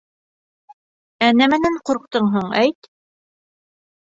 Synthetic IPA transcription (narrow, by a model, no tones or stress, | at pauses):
ænæmɘ̆næɴquɾq̚t̪ɤɴɦuɴæjt̪